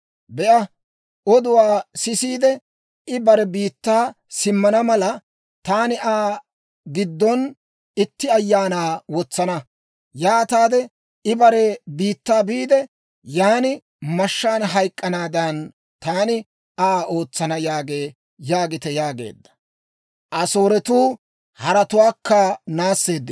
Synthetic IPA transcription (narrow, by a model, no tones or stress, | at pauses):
bɛʔɐ | ʔɔd̪ʊwaːsɪsiːd̪ɛ | ɪbɐɾɛbiːt̪ːaː | sɪmːɐnɐmɐlɐ | t̪aːnɪʔaː | ɡɪd̪ːɔn | ɪt̪ːɪɐjːaːnaːwɔt͡sːɐnɐ | jaːt̪aːd̪ɛ | ɪbɐɾɛbiːt̪ːaːbiːd̪ɛ | jaːnɪ | mɐʃːaːnɦɐjkʼːɐnaːd̪ɐn | t̪aːnɪ | aːʔo̞ːt͡sːɐnɐjaːɡe̞ː | jaːɡɪt̪ɛjaːɡe̞̰ːd̪ːɐ̥ | ʔɐso̞ːɾɛt̪uː | hɐɾɐt̪ʊwaːkːɐnaːsːe̞ːd̪ːɪ